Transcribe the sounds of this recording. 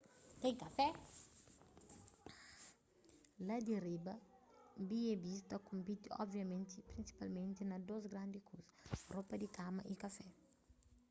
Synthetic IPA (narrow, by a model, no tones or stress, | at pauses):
t̪ẽɲkafɛ | lɐd̪iɾibɐbiebist̪akõmpit̪iɔ̰bviɐmẽnt̪ipɾinsi̥palmẽnt̪inɐd̪ozɡɾãnd̪ikuzɐ̥ropɐd̪ikamɐʔikafɛ